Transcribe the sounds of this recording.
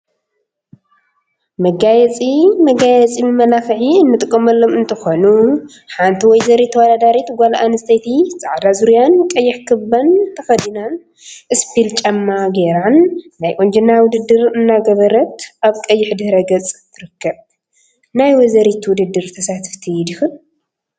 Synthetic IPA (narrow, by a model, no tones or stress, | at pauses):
mɐɡajɛt͡sʼimɐɡajɛt͡sʼimɨmɐlafɨħiɨnːɨt̪ʼɨkʼːɐmɐlːomɨnt̪ʰɨxonu | ħant̪ʰiwɔjzɐɾit̪ʰwɔd̪ad̪aɾit̪ɡʷalaʔanɨst̪ʰɐjt̪ʰit͡sʼaʕd̪azuɾujankʼɐjːɪħkʰɨbːɐnt̪ʰɐxɐd̪inan | ʔɨspilt͡ʃʼɐmːaɡeɾanːajʔʼond͡ʒɪnːawʊd̪ɨd̪ːɨɾɨnːaɡɐβɐɾɐt̪ʔaβkʼɐjːɪħd̪ɨhɾɐɡɐt͡sʼt̪ʰːɨɾɨkʰːɐβ | najwɔzɐɾit̪ʰwʊd̪ɨd̪ːɨɾt̪ʰɐsat̪ʰɨ̥ft̪ʰid̪ɪxɨl